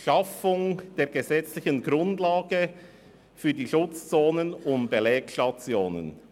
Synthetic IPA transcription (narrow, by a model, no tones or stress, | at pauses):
ʃɑfʊŋd̥eːɐɡəzɛt͡slɪçənɡɾʊndlaːɡ̥ə | fyːdiːʃʊt͡st͡soːnənʊntb̥elɛːkʃtɑt͡sjoːnə̰n